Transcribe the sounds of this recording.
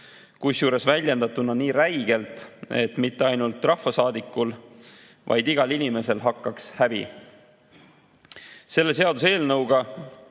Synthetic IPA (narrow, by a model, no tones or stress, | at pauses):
kusjuːɾe̞svælʲjend̪̥ɑt̪ːˑunɑniːɾæjɡ̥e̞lt̪e̞t̪ːmit̪ˑːe̞ɑjnult̪ːˑrɑhvɑsɑːd̪ikːul | vɑ̰jd̪iɡ̥ɑlinʲime̞se̞lɦɑkːɑkshæbḭ | se̞lːe̞se̞ɑd̪use̞ːlnɤwɡ̥ɑ